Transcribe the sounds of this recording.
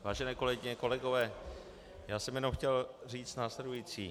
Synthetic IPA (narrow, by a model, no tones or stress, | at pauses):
vaːʒɛnɛːko̞lɛɡɪɲɛko̞lɛɡo̞vɛː | jaːsɛmjɛnowxcɛlriːt͡st̪naːslɛdujiːt͡sḭː